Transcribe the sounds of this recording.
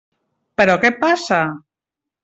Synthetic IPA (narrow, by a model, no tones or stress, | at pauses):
peɾokepasa